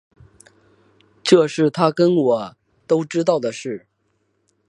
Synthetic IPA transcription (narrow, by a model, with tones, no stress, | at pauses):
ʈ͡ʂɤ˥˧ʂɻ̩˥˩t̪ʰa˥kə˥nwɔ˨˩˦ | t̪o˥ʊʈ͡ʂɻ̩˥t̪ɑ˥˩ʊd̪ə˩ʂɻ̩˥˩